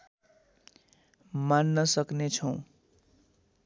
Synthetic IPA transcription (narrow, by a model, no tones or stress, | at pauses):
manːʌsʌknet͡sʰʌw̃